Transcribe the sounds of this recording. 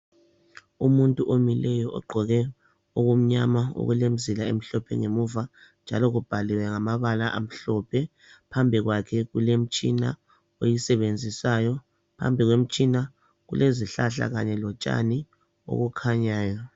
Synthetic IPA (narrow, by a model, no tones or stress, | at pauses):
umuntʼuʔomilɛjɔʔɔ̰ɡ͡ǃʱɔɣɛ | oɣum̩ɲamao̰ɣulem̩zilaḛm̩ɬɔpʰɛ̰ŋemuva | nd͡ʒʱa̰lɔɣub̥ʱaliwɛŋamaβalaʔa̰m̩ɬɔpʰɛ | pʰambʱiɣwakʰɛɣulem̩t͡ʃʼina̰ | ojisɛβend͡zʱisajɔ | pʰa̰mbʱiɣwem̩t͡ʃʼina | ɣṵleziɬaɬa̰ɣaɲɛlɔt͡ʃʼa̰ni | o̰ɣukʰaɲaːjɔ